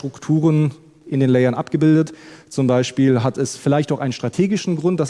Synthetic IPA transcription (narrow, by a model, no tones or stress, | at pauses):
tʁ̥ʊktʰuːʁən | ʔɪndeːnlɛɪɐnʔa̰pɡ̥əbɪldətt͡sʊmbaɪʃpiːlɦatʰɛsfɪlaɪçtaʊʔaɪnənʃtʁ̥atʰeːɡɪʃn̩ɡʁʊnt̚d̥as